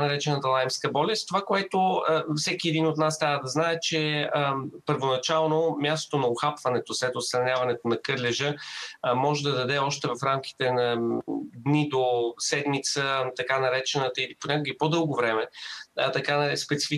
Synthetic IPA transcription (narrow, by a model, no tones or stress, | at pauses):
nɐɾɛt͡ʃɛnət̪əlˠajmskəbɔlʲɛst̪t̪ovakoɛt̪oəfsɛkʲiɛd̪inot̪nast̪ɾʲavəd̪ɐznaɛt͡ʃɛəpəɾvonɐt͡ʃalˠnomʲjast̪o̥t̪onɐoxapvɐnɛt̪oslɛt̪ot̪sɾɐnʲjavɐnɛt̪onɐkɤɾlʲɛʒəmɔʒɛd̪ɐd̪ɐd̪ɛɔʃt̪ɛvɐfɾamkʲi̥t̪ɛnɐd̪nid̪osɛd̪mit̪sət̪ɐkanɐɾɛt͡ʃɛnət̪əiliponʲakʊɡipod̪ɤlˠɡovɾɛmɛt̪ɐkanɐɛspɛt̪si̥fi